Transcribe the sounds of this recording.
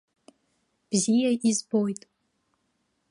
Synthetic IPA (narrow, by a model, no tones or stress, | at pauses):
b̥zijɐʔizbojtʼ